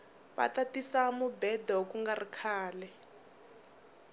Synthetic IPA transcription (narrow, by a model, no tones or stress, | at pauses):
βa̰tatisamubɛdakuŋɡarikʰaːlɛ